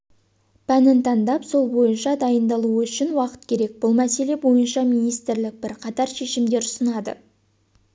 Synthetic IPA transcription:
pʰænɪnt̪ʰɑnd̪ɑpso̞lˠbo̞jənʃɑd̪ɑjənd̪ɑlˠuʏʃɪnwɑqə̥t̪̚kʲʰe̞ɾe̞k̚b̥ʊlˠmæse̞le̞bo̞jənʃɑmijnijst̪ɪɾlɪk̚bɪɾqʰɑt̪ɑɾʃe̞ʃɪmd̪e̞ɾʊsənɑd̪ə̰

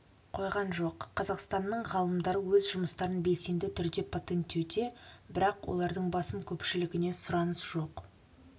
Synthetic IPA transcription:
qʰo̞jʁɑnʒo̞qʰːɑzɑqst̪ɑnːəɴʁɑlˠəmd̪ɑɾəwɵzʒʊməst̪ɑɾənbe̞jse̞nd̪ɪt̪ʰʏɾd̪e̞pʰot̪e̞nt̪ːewd̪e̞bɪɾɑqwo̞̰lˠɑɾd̪əɴbɑsəmkʲʰɵpʃɪlɪɡʲɪne̞sʊɾɑnəsʒ̥o̞q

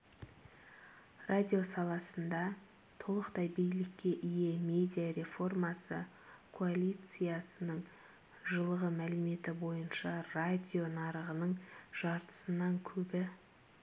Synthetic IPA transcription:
rʔadʲijo̞sɑlˠɑsənd̪ɑ | t̪ʰo̞lˠəqt̪ɑjbejlɪkʲːe̞ʔije̞mʲe̞d̪ʲijaɾe̞fo̞rmɑsə | kʰoalʲijt̪sɨjasənəɴ | ʒəlˠəʁəmælɪme̞t̪ɪbo̞jənʃɑrad̪ʲio̞nɑɾəʁənəɴʒ̥ɑɾt̪ə̥sənɑŋkʲʰɵbɪ

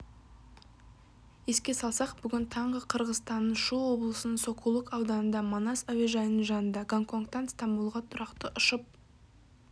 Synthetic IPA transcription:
e̞skʲe̞sɑlˠsɑqbʏɡʲɪnt̪ʰɑɴʁəqʰəɾʁəzst̪ɑnːəʃuwo̞blˠəsənəɴso̞kʰulˠəkɑwd̪ɑnənd̪ɑmonɑsavʲeʒɑjnəɴʒɑnənd̪ɑɡaŋkʰo̞ŋkt̪ɑnst̪ɑmbulˠʁɑt̪ʰʊɾɑqt̪əʔʊʃəp̚

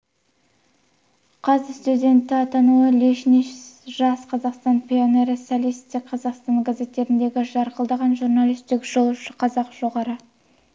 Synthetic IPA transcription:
qʰɑzəst̪ud̪ʲe̞nt̪ːɪɑt̪ɑnuəliʃniʃʒ̥ɑsqʰɑzɑqst̪ɑnpʰʲio̞ne̞ɾɪsalʲist̪ɪk̚qʰɑzɑqst̪ɑŋɡaze̞t̪ːe̞ɾɪnd̪e̞ɡʲɪʒɑɾqəlˠd̪ɑʁɑnʒurnalʲˠijst̪ɪkʒ̥o̞lˠʃəqʰɑzɑqʒ̥o̞ʁɑɾə

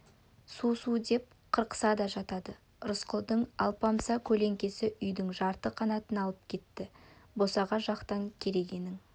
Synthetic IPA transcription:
susud̪e̞p̚qʰəɾqə̥sɑd̪ɑʒɑt̪ɑd̪ə | ɾʊsqəlˠd̪əɴɑ̰lˠpɑmsɑkʲʰɵle̞ŋkʲe̞sɪʔʏjd̪ɪŋʒɑɾt̪əqʰɑnɑt̪ənɑlˠəp̚kʲʰe̞t̪ːɪbo̞sɑʁɑʒɑqt̪ɑŋkʲʰe̞ɾe̞ɡʲe̞nɪŋ

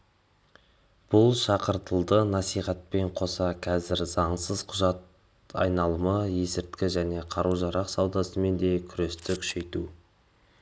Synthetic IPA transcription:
b̥ʊlˠʃɑqəɾt̪əlˠd̪ənɑsijχɑt̪̚pe̞ɴqʰo̞sɑqʲʰɑzɪɾzɑɴsəz̥qʰʊʒɑt̪̚ | ɑ̰jnɑlˠəməje̞sɪɾt̪kʲɪʒæne̞qʰɑɾuʒɑɾɑqsɑwd̪ɑsəme̞nd̪e̞kʲʰʏɾe̞st̪ɪkʲʰʏ̥ʃe̞jt̪u

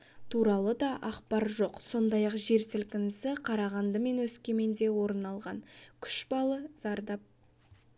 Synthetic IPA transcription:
t̪ʰuɾɑlˠəd̪ɑʔɑqpɑɾʒo̞qso̞nd̪ɑjɑqʒe̞ɾsɪlkʲɪnɪsɪqʰɑɾɑʁɑnd̪əme̞nwɵskʲe̞me̞nd̪e̞wo̞ɾənɑlˠʁɑnkʲʰʏ̥ʃbɑlˠəzɑɾd̪ɑp̚

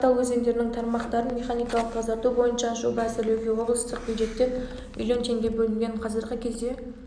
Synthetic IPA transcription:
t̪ɑw̪wɵze̞ŋd̪e̞ɾɪnɪŋt̪ʰɑɾmɑqt̪ɑɾənmʲe̞χanijkɑlˠəq̚t̪ʰɑzɑɾt̪ubo̞jənʃɑʃubɑsəlɵwkʲe̞woʁəlˠst̪ʰəq̚b̥ʲjuj̪ʒe̞t̪ːeɾ | mḭlʲjo̞nt̪ʰe̞ŋɡʲe̞bɵlɪŋɡʲe̞ɴqʰɑzəɾʁəkʲʰe̞zd̪e̞

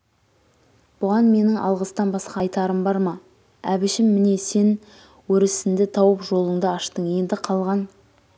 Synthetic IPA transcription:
b̥ʊʁɑnme̞nɪŋʔɑ̰lˠʁəst̪ɑnbɑsqɑjt̪ɑɾəmbɑɾmɑ | æbɪʃɪmmɪne̞se̞n | wɵɾɪsɪnd̪ɪt̪ʰɑwəpʒo̞lˠəɴd̪əɑʃt̪əɴje̞nd̪ɪqʰɑlˠʁɑn

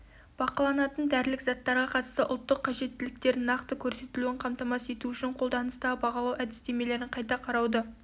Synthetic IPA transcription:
b̥ɑqɑlˠɑnɑt̪ənd̪æɾɪlɪkzɑt̪ːɑɾʁɑqʰɑt̪ə̥st̪əʔʊ̰lˠt̪ːəqʰːɑʒe̞t̪ːɪlɪk̚t̪e̞ɾnɑqt̪əkʲʰɵɾse̞t̪ɪluɪɴqʰɑmt̪ɑmɑse̞t̪uʏʃɪɴqʰo̞lˠd̪ɑnəst̪ɑbɑʁɑlˠɑwʔæd̪ɪst̪e̞me̞le̞ɾɪɴqʰɑjt̪ɑqʰɑɾɑwd̪ə

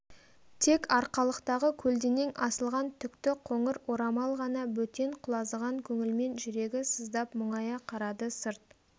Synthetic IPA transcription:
t̪ʰe̞kɑɾqɑlˠəqt̪ɑʁəkʲʰɵld̪ene̞ŋʔɑsəlˠʁɑnt̪ʰʏkt̪ɪqʰo̞ɴəɾoɾɑmɑlˠʁɑnɑbɵt̪e̞ɴqʰʊlˠɑzəʁɑŋkʲʰɵŋɪlme̞nʒʏɾe̞ɡʲɪsəzd̪ɑpmʊɴɑjɑqʰɑɾɑd̪əsəɾt̪̚

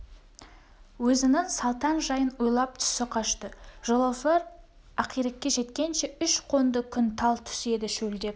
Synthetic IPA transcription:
wɵzɪnɪŋsɑlˠt̪ɑnʒɑjənujlˠɑp̚t̪ʰʏ̥sɪqʰɑʃt̪əʒ̥olˠofeɾ | ɑqijɾek̚ʲːe̞ʒe̞t̪kʲe̞nʃe̞ʏʃqʰo̞nd̪əkʲʰʏnt̪ʰɑlˠt̪ʰʏ̥se̞d̪ɪʃɵld̪e̞p̚

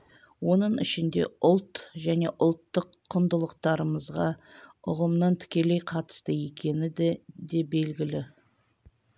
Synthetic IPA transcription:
wo̞nəɴɪ̰ʃɪnd̪e̞̰ʊlˠt̪ʒæne̞ʔʊlˠt̪ːəqʰːʊnd̪əlˠəq̚t̪ɑɾəməzʁɑʊ̰ʁəmnɑnt̪ʰʏ̥kʲe̞le̞jqʰɑt̪ə̥st̪əje̞kʲʰe̞nɪd̪d̪e̞be̞lɡʲɪlɪ

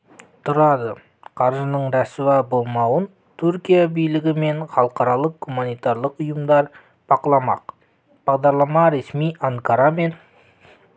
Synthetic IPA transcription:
t̪ʰʊɾɑd̪ə | qʰɑɾʒənəɴɾɑsuwɑbolˠmɑwən | t̪ʰuɾkʲijabijlɪɡʲɪme̞ɴχɑlˠəqɑɾɑlˠəq̚ɡumanijt̪ɑɾlˠəqʊjəmd̪ɑɾ | b̥ɑqəlˠɑmɑ̰q | b̥ɑʁd̪ɑɾlˠɑmɑɾe̞smijaŋkaɾɑme̞n

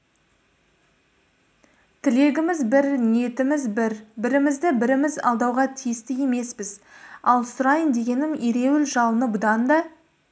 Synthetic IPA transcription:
t̪ʰɪle̞ɡʲɪmɪzbɪɾnije̞t̪ɪmɪzbɪɾbɪɾɪmɪzd̪ɪbɪɾɪmɪzɑ̰lˠd̪ɑwʁɑt̪ʰijɪst̪ɪje̞me̞spɪzɑlˠsʊɾɑjənd̪e̞ɡʲe̞nɪmeɾe̞wɪlʒɑlˠənəbʊd̪ɑnd̪ɑ

